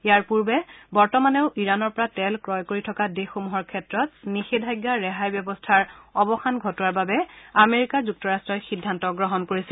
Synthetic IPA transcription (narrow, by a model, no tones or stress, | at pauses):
ijaɹpuɹbɛbɔɹtɔmanɛʊʔiɹanɔɹpɔɹatɛlkɹɔjkoɹitʰɔkadexomuɦɔɹkʰɛtɹɔtnixedʱajɡːaɹɛɦajbjɔbɔstʰaɹɔbɔxanɡʱɔtɔwaɹbabɛameɹikazuk̚tɔɹastɹɔjxidʱːantɔɡɹɔɦɔnkoɹisɛl